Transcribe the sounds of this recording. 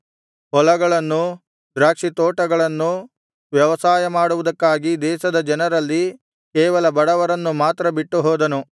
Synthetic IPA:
ɦɔlɐɡɐɭɐnːu | d̪ɾaːkʂit̪oːʈɐɡɐɭɐnːu | ʋjɐʋɐsaːjɐmaːɽuʋud̪ɐkːaːɡid̪ɛːʃɐd̪ɐd͡ʒɐnɐɾɐlːi | kɛːʋɐlɐbɐɽɐʋɐɾɐnːumaːt̪ɾɐbiʈːuɦɔːd̪ɐnu

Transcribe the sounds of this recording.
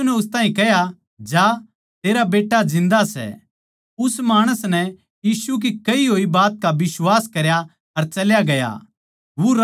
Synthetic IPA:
unɛʊst̪aːɦĩkɛɦja | d͡ʒa | t̪eːɾabeːʈːad͡ʒɪ̃nd̪asɛ̰ | ʊsmaːɽ̃əsnɛ | jiːsuk̬ikɐiɦoːibaːt̪̚kaʋɪswaːskɐɾja | ɐɾt͡ʃɐljaɡɐja̰ | ʋoɾ

